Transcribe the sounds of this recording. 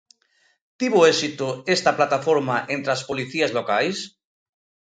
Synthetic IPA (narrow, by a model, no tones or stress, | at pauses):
t̪iβoesit̪oest̪aplat̪afoɾmaʔẽnt̪ɾaspoliθiazlokajs